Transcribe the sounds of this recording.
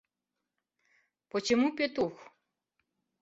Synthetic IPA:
pɔt͡ʃemupʲet̪ux

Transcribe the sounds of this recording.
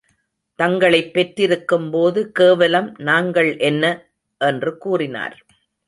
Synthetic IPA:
t̪ɐŋɡɐɭɐɪpːɛʈrɪɾɯkːɯmpoːðɯkeːʋɐlɐmnaːŋɡɐɭʔɛnːɐ | ʔɛndrɯkuːrɪna̰ːɾ

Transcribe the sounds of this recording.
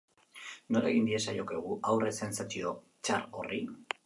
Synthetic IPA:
no̞ɾḛɣind̪ie̞sajo̞keɣ̞uʔawre̞se̞nsat͡sio̞ | t͡ʃaɾori

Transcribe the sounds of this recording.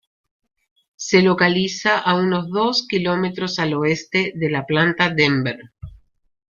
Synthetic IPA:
se̞lokalisaʔauno̞zðo̞skilo̞met̪ɾo̞salo̞est̪e̞ðe̞laplant̪aðembeɾ

